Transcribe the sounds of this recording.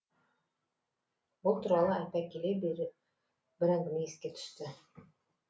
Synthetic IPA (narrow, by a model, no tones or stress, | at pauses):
bɤlˠt̪uɾɑlˠɤæpækilɘbiɾ | bɘ̆ɾæŋɡniiskæt̪ʰɵ̥̆ʃt̪ɘ